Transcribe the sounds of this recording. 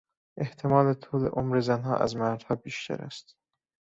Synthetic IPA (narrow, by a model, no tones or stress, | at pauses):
ʔe̞ht̪ʰe̞mɒːlet̪ʰuːlḛʔomɾezænɦɒ̰ːʔæ̰zmæɾd̪̥hɒːbiːʃt̪ʰæ̰ɾæ̰st̪